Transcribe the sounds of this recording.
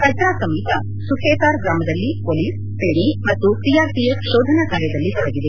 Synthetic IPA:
kɐtɾaːsɐmit̪ɐ | sukʰeːtaːɾɡɾaːmɐd̪ɐlːipoːliːs | peːɳ̃imɐt̪ːut̪ijaːɾt̪ijɐʃɔːd̪ʱɐnakaːɾjɐd̪ɐlːit̪ɔɽɐɡid̪e

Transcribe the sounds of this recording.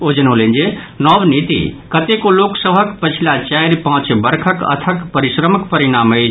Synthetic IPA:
od͡ʒənolend͡ʒenɔbnit̪ḭkət̪ekoloksəbʱəkpət͡ʃʰilat͡ʃajɾpãɦt͡ʃbəɾkʰəkə̰t̪ʰəkpəɾisɾəməkpəɾinamə

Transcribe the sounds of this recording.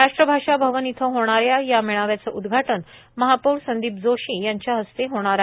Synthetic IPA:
ɾaʂʈɾəbʱaʂabʱəʋənit̪ʰəɦoɽ̃aɾjajamiɭ̃aʋjat͡səʔud̪ɡʱaʈən | məɦapuːɾsənd̪iːpd͡zoɕiːjaɲt͡ɕjaɦəst̪eɦoɽ̃aɾa

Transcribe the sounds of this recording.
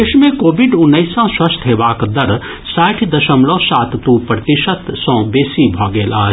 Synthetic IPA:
eʃmẽkoːbiɖʊnːəɪsãswɐst̪ʰɦebaːkd̪əɾ | saːʈʰd̪ɐʃəmlõsaːt̪t̪ũpɾət̪iʃət̪sɔ̃ːbeːsibʱɔːɡeːlaː

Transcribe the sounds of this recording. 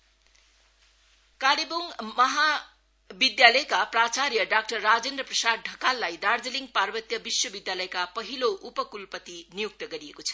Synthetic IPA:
kaɽiboŋmʌɦa | bid̪jalʌjkaprat͡saɾjʌɖak̚ʈʌrːad͡zend̪rʌprʌsad̪̚ɖʱʌkalːajd̪ard͡zʌliŋɡ̚parbʌt̪jʌbiswʌbid̪jalʌjkapʌɦiloʔupʌkulpʌt̪inijuk̚t̪ʌɡʌɾiekot͡sʰʌ̥

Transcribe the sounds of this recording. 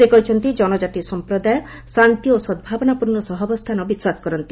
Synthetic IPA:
sekɔɦit͡ʃʰɔnt̪id͡ʒɔnɔd͡ʒat̪isɔmpɾɔd̪ajɔ | sɾant̪iosɔd̪̚bʱabɔnapuɾnɔsɔɦɔbɔst̪ʰanɔbiswasɔ̥kɔɾɔnt̪i

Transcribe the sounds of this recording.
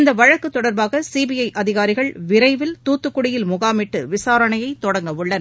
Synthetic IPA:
ɪnd̪ɐʋɐɻɐkːɯt̪ːɔɽɐɾbaːɣɐsiːbɪjɐɪʔɐðɪɣaːɾɪɣɐɭʋɪɾɐɪʋɪlt̪uːt̪ːɯkːʊɽɪjɪlmʊɣaːmɪʈːɯʋɪsaːɾɐɳɐjɐɪt̪ːɔɽɐŋɡɐʋɯɭːɐn

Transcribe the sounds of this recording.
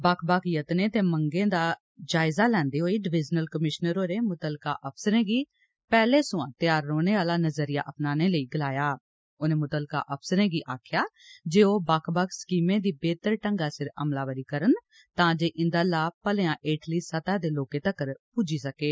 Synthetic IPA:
baːkʰbaːkʰjət̪neːt̪eːməŋɡẽːd̪aː | d͡ʒaːɪzaːlɛ̃ːnd̪eːɦoːiːɖɪʋɪd͡ʒnəlkəmɪʃnəɾoːɾeːmʊt̪əlka̰ːʔəpʰsəɾẽːɡiː | pɛːleːsũːãːt̪jaːɾːoːneːʋaːlaːnəzəɾijaːʔəpnaːneːləiːɡɪlaːjaː | oːnẽːmʊt̪əlka̰ːʔəpʰsəɾẽːɡiːʔaːkʰjaːd͡ʒeːoːbaːkʰbaːkʰskiːmẽːd̪iːbeːt̪əɾʈəŋɡaːsɪɾə̰mlaːʋəɾiːkəɾən | t̪ãːd͡ʒeːʔɪ̃nd̪aːlaːpəleːãːʔeːʈliːsət̪aːd̪eːloːkẽːt̪əkːəɾpuːd͡ʒiːsəkeː

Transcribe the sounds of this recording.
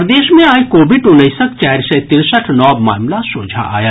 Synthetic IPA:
ɾd̪eːʃmẽaːjkoːbɪʈʊnəjsək̚t͡ʃaːɾsət̪ɪɾsəʈʰnɔːma̰ːmlasõːd͡ʒʱa̰ʔa̰ːjaː

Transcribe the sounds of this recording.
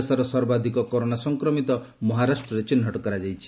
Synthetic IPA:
saɾɔsɔɾbad̪ʱikɔkɔɾonasɔŋkɾɔmit̪ɔ | mɔɦaɾasʈɾɔɾet͡ʃinɦɔʈɔkɔɾad͡ʒajt͡ʃʰi̥

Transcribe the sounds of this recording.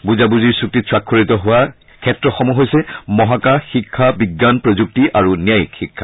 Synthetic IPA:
buzabuziɹsuk̚titsɹakʰːoɹitɔɦʊwa | kʰɛtɹɔxɔmuɦojsɛmɔɦakaxikʰːabiɡːanpɹozuk̚tiʔaɹunijajikxikʰːa

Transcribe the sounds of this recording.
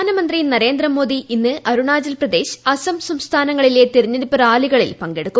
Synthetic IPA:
aːnɐmɐnd̪rijnɐɾe̞ːnd̪rɐmo̞ːd̪iʔinːɨʔɐɾuɳaːd͡ʑɐlprɐd̪e̞ːɕɐsɐmsɐmst̪ʰaːnɐŋːɐɭile̞t̪iriɲːeɾupːɐɾaːliɣɐɭilpɐŋɡe̞ɽukːum

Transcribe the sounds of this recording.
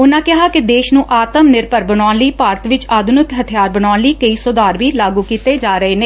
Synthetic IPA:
ʊnãːkɪɦaːkɪd̪eːʃnũːʔaːt̪əmnɪɾpəɾbənaːnliːpaːɾət̪ʋɪt͡ʃaːd̪ʱʊnɪkɦət̪ʰɪjaːɾbənaːnliːkəiːsʊːd̪aːɾʋiːlaːɡuːkiːt̪eːd͡ʒaːɾəɦeːnẽː

